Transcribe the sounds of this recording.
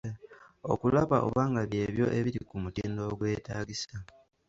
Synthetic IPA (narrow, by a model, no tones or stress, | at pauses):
o̞̰kulaβaʔo̰βaːŋɡaβje̞ːβjo̞̰ʔe̞βiɾikumutiːndo̞ːɡwe̞ːtaːɡisa